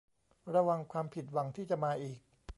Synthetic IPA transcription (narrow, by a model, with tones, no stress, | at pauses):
ɾa˧wa˧ŋkʰwaː˧mpʰi˨˩t̪̬̚wa˧ŋt̪ʰiː˥˩t͡ɕa˨˩maː˧ʔiː˨˩k̚